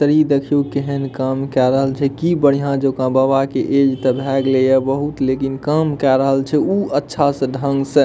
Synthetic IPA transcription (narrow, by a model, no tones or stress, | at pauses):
t̪əɾid̪ekʰijukeɦənkamkɛɾəɦəlt͡ʃʰɛkibəɽ̤ijãd͡ʒokãbaβakeʔed͡ʒt̪əbʱɛɡlejabəɦut̪lekinkamkɛɾəɦəlt͡ʃʰɛuətːʃʰasə̃ɖʱəŋɡsə